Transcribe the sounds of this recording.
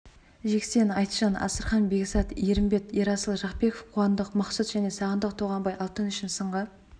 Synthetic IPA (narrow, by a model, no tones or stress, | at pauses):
ʒe̞kse̞nɑjt̪ʒɑnɑ̰səɾχɑnbe̞ksɑt̪eɾɪmbe̞t̪eɾɑsəlˠʒɑqpe̞kofqʰʊwɑnd̪əqmɑqsət̪ʒ̥æne̞sɑʁənd̪əq̚t̪ʰoʁɑmbɑjɑlˠt̪ənʏʃɪnsəɴʁə